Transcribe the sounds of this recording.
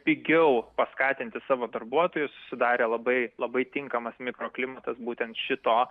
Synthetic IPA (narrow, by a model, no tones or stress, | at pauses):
pʲɪɡʲɛʊpɐskɑːt̪ʲɪnʲt̪ʲɪsɑːʋoːd̪ɐrbuɔt̪oːjʊssʊ̥sʲɪd̪ɑːɾʲeːlˠɐbɐɪlˠɐbɐɪt̪ʲɪŋkɐmɐsmʲɪkɾoːklʲɪmɐt̪ɐsbuːt̪ʲɛnt̪ʃʲɪt̪oː